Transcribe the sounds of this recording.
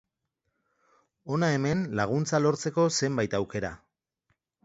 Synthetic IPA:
o̞nae̞me̞nlaɣ̞unt͡salo̞ɾt͡se̞ko̞se̞mbajt̪awke̞ɾa̰

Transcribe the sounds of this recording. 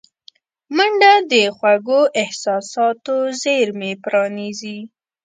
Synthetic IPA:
maɳɖad̪əxwaɡoʔɪhsɑsɑt̪ozeɾmepɾɑnizi

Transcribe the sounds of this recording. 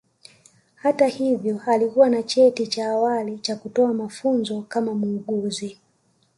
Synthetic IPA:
hatahivjɔalikuwanat͡ʃɛtit͡ʃaːwalit͡ʃakutɔamafunzɔkamamuːɠuzi

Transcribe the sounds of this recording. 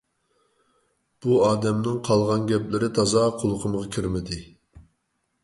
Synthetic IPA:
b̥uɑːd̪ɛmnɪŋqʰɑlˠʁɑnɡʲɛplɪɾɪt̪ʰɑzɑqʰolˠqʰəməʁɑkʲʰiɾmɪd̪ɪ

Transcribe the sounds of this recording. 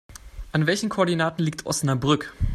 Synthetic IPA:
ʔanvɛlçn̩kʰoːɐdinaːtn̩liːktʰʔɔ̰snabʁʏk

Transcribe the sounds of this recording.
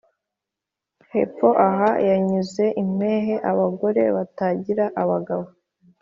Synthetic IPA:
hepo̞ʔaɦajaɲuze̞ʔim̥e̞ːɦe̞ʔaβaɡo̞ɾe̞̰βataɟiɾaʔaβaɡaβo

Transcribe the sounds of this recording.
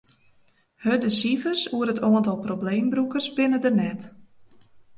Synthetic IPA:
hədəsifərsuəɾətʰɔəntɔlˠprobleːmbrukərsbɪnədənɛt

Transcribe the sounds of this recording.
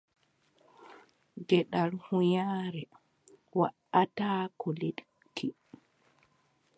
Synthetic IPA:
ɡɛɗalhujaːɾɛ | wa̰ʔataːkɔleɗ | kʰi

